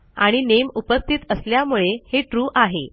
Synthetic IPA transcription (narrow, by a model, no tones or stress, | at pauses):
a̰ɽ̃inemupəst̪ʰit̪əsljamuɭeheʈɾuːʔaɦe